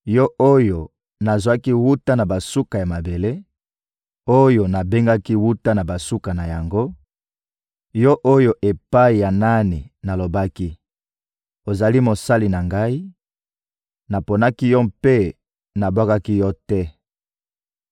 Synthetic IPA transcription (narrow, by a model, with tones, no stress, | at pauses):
jɔ˦ʔo˦jo˨ | na˨zwa˦ki˦wu˦ta˦na˨ba˨su˦ka˨ja˨ma˨be˨le˦ | o˦jo˨na˨be˦ŋɡa˦ki˦wu˦ta˦na˨ba˨su˦ka˨na˨ja˨ŋɡo˦ | jɔ˦ʔo˦jo˦ʔe˨pa˦i˨ja˨na˦ni˨na˨lo˨ba˦ki˦ | o˨za˨li˦mo˨sa˦li˨na˨ŋɡa˦i˦ | na˨po˨na˦ki˦jɔ˦mpe˦ | na˨bwa˦ka˦ki˦jɔ˦tɛ˦